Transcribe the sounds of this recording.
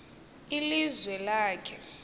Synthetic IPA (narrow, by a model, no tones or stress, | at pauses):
ilizwɛlaːkʰɛ